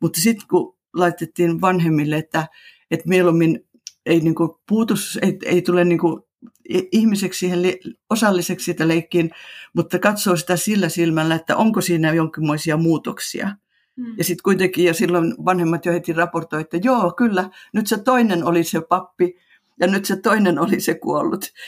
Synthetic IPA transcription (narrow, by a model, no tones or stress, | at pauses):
mut̪ːɑsit̪ku | lɑit̪et̪ːiːnʋɑnhemːilːeet̪ːæ | et̪mielumːin | einiŋkupuːt̪usḛiḛit̪ulenniŋku | ihmisekssiːhelliosɑlːisekssiːt̪æleikːiːnmut̪ːɑkɑt̪soːsi̥t̪æsilːæsilmælːæet̪ːæ̰ʔoŋkosiːnæjoŋkimːoisiɑmuːt̪oksḭɑ̰ | jɑsit̪kuit̪eŋkiːjosilːonʋɑnhemːɑt̪johet̪irɑport̪oiet̪ːæjoːkylːænyt̪set̪oinenolisepɑpːi | jɑnyt̪set̪oinenolisekṵolːut̪